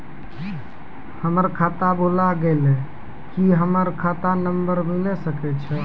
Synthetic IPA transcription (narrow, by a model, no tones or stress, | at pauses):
həməɾkʰat̪abolaɡele | kiɦəməɾkʰat̪anəmbəɾmilɛsəkɛt͡ʃʰɛ